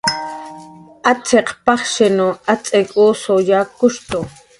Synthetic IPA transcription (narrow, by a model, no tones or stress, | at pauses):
at͡sʰeqpɑχʃɪnoat͡sʼekʼuːsojakʊʃt̪o